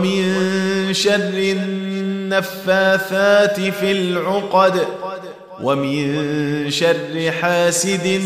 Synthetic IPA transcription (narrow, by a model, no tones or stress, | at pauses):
mɪnʃɑrˤːɪnːafːaːθaːt̪ɪfɪlʕʊqd̪ | wʔamɪnʃarˤːɪħaːsɪd̪